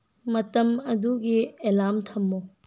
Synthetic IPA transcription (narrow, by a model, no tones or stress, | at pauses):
mɐtɐmɐduɡielamtʰɐmːo